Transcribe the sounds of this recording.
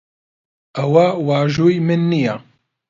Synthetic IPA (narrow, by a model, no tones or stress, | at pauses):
ɐwawaːʒuːjmɨnːija